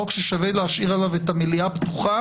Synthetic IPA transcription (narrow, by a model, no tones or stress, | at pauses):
okʃeʃaveleaʃiʁalavet̪amiliapt̪uχa